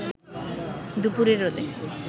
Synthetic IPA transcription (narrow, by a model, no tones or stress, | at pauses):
d̪upuɾeɾod̪e